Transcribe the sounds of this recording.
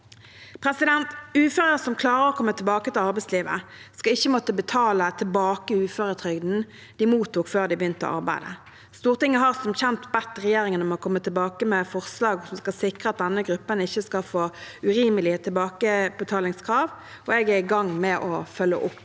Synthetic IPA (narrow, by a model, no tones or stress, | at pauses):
pʰʁɛsɪd̪ɛnt̪ʉːføːʁəəsɔmkʰlɑːʁəʁɔkʰɔmːət̪ʰɪlbɑːkət̪ɪlɑʁbæɪsliːʋə̰skɑɪçːəmɔt̪ːəbət̪ʰɑːlət̪ʰɪlbɑːkəʉːføːʁət̪ʰʁʏɡd̪n̩ | d̪̥ɪmuːt̪ʊkføːʁd̪ɪbjʏnt̪ə̰ʔɑ̰ʁbæɪd̪ə̰ | st̪uːʁt̪ɪŋːəɦɑːʁsɔmçɛnt̪bɛt̪ʁɛjeːʁɪŋənɔmɔkʰɔmːət̪ʰɪlbɑːkəmɛfɔʁslɑːɡʊsmskɑsɪkʁəɑt̪̚d̪ɛnːəɡʁʉpːənɪçːəskɑlfoːʉʁiːməlɪət̪ʰɪlbɑːkəb̥ət̪ʰɑːlɪŋskʰʁɑːʋ | ʔɔɛɡæɾɪɡɑŋːmɛʔɔfœlːə̰ʔʊpː